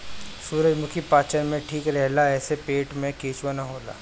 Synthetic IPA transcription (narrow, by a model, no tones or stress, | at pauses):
suːɾəd͡ʒmʊkʰipaːt͡ʃəɾmẽʈʰiːkɾɛɦlaɛːsepeːʈmẽkeːt͡ʃʋanaɦoːla̰ː